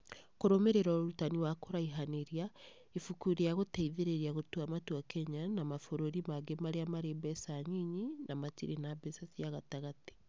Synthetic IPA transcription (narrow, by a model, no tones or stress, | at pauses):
koɾomeɾeɾɔoɾutaniwakoɾaiɦaneɾia | ifukuɾeaɣoteiðeɾeɾiaɣotuamatwakɛɲanamafoɾoɾimaɡemaɾeamaɾeːbɛsaɲiɲinamatiɾenabesasijaɣataɣate̥